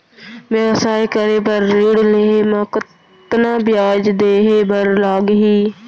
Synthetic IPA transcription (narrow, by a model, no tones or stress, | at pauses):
ʋəʋsaːikəɾebəɾːeːɽleːɦemãkə | t̪nãːbjaːd͡ʒd̪eːɦebəɾlaːɡɦiː